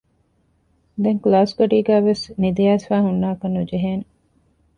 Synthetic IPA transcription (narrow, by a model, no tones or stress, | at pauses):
d̪eŋklaːskoɖiːɡæːʋesnid̪ijæːsfæːɦunːaːɐkɐnːud͡ʒeɦeːne